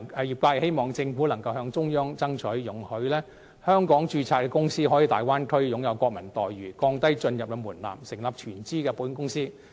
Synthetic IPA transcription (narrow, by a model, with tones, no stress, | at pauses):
ɛ˨jiː˨p̚kaː˧˨he˥jmɔː˨˩ŋt͡sɪ˧ŋfuː˨˥lɐ˨˩ŋkɐ˧wɦœː˨˧ŋt͡sʊ˥ŋjœː˥ŋt͡sɐ˥ŋt͡ʃʰɵ˨˥ɥjʊ˨˥ŋhɵ˨˥ɥlɛː˥ | hœː˥ŋkɔː˨˥ŋt͡ʃyː˧t͡sʰaː˧t̚kːɛ˧kʊ˥ŋsiː˥ɦɔː˨˥jiː˨˧t̪aː˨jwaː˥nkʰɵ˥ɥiː˨˧jʊ˨˥ŋjɐ˨˧wkʷɔː˧k̚mɐ˨˩nt̪ɔː˨jɥyː˨˩kɔː˧ŋt̪ɐ˥jt͡ʃɵ˧njɐ˨p̚kɛ˧muː˨˩nla̰ː˨msɪ˨˩ŋlɐ˨p̚t͡ʃʰyː˨˩nt͡siː˥kɛː˧puː˨˥nkʊ˥ŋsiː˥